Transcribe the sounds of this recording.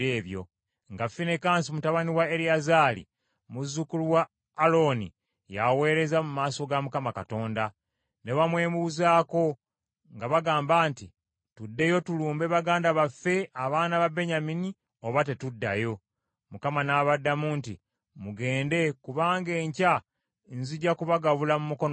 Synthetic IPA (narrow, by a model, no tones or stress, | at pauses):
eːβjo̞̰ | ŋɡafːine̞kaːnsimutaβaniwaeɾiazaːlḭ | muzːukuluwaː | lo̞nḭ | jawe̞ːɾe̞zamumaːso̞ɡamukamakato̞ːnda | ne̞βamwe̞ːmuzaːko̞ | ŋɡaβaɡaːmbaːnti | tudːe̞jo̞tuluːmbeβaɡaːndaβafe̞aβaːnaβabe̞ɲamini | oβate̞tudːa̰jo̞ | mukamanaβadːamuːntḭ | muɡe̞ːnde̞kuβaːŋɡe̞ːɲca | nziɟakuβaɡaβulamumuko̞n